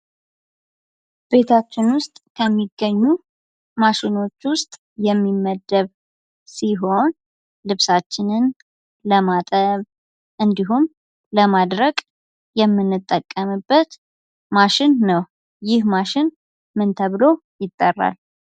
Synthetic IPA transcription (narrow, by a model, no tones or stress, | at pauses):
b̥e̞t̪ʰat͡ʃːɪnwʊst̪ʼkʰəmːiɡːəɲːu | maʃɪno̞t͡ʃːwʊst̪ʼ | jɛmːimːəd̪əβ | siɦo̞n | lɨβsat͡ʃːɪnɨn | ləmat̪ʼəβ | ʔɨnd̪iɦum | ləmad̪ɾəkʼ | jɛmːɨnːɨt̪ʼːəkʼːəmɨbːət̪ | maʃɪnːəw | jɪhmaʃɪn | mɨnt̪ʰəβlo̞ | jɪt̪ʼːərːa̰l